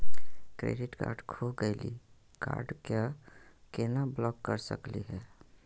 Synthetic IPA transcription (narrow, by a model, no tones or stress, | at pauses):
kɾḛɖɪʈka̰ːɾɖkʰoɡəɪlḭ | ka̰ːɾɖkakenablɔːkːəɾsə̰kliɦɛː